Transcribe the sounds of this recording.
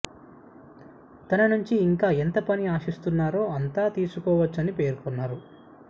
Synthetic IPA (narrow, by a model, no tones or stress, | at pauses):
t̪ɐnɐnuɲt͡ʃiːŋkaːent̪ɐpɐniaːʃist̪unːaːɾoːɐnt̪aːt̪iːsukɔːʋɐt͡ʃːɐnipe̞ːɾkɔnːaːɾu